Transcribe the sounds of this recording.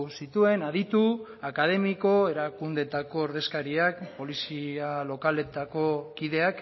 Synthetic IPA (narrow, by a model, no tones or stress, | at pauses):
sit̪ue̞naðit̪uakað̞e̞miko̞e̞ɾakund̪e̞t̪ako̞ːɾðe̞skaɾiakpo̞lisialo̞kale̞t̪ako̞kiðe̞ak